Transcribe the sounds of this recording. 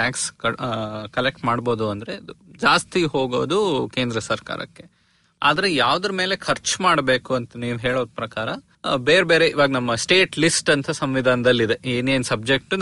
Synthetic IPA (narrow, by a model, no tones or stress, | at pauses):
ʈaːkskɐkɐlek̚ʈmaːɽbo̞ːd̪uɐnd̪ɐɾe̞ɐd̪ud͡ʒaːst̪iɦo̞ːɡo̰ːd̪uke̞ːnd̪ɾɐsɐɾka̰ːɾɐ̰kːe | a̰ːd̪ɐɾejaːʋd̪ɐɾɐmeːle̞kʰɐɾt͡ʃmaːɽbe̞ːkuɐnt̪ʰɐniːʋɦeːɭoːd̪̚pɾɐkaːɾɐ | beːɾbeːɾeiʋaːɡɐnɐmːɐsʈeːʈlisʈɐnt̪ʰɐsɐmʋid̪ʱaːnɐd̪ɐlːid̪e̞eːneːnsɐb̚d͡ʒe̞k̚ʈun